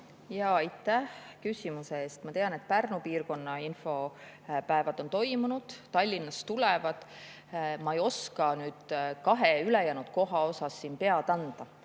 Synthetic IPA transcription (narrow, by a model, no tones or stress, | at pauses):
jɑːɑjt̪ːˑæhkysʲimuse̞eːst̪mɑt̪e̞ɑne̞t̪̚ˑpærnupiːrko̞nːɑinfo̞ | pæevɑd̪̥o̞nt̪o̞jmunud̪̥t̪ɑlʲːinːɑst̪ulɛvɑd̪̥ | mɑejo̞skɑnyːd̪̥kɑɦeylejænud̪̥ko̞ɦɑo̞sɑsːiːnpe̞ɑd̪̥ɑnd̪̥ɑ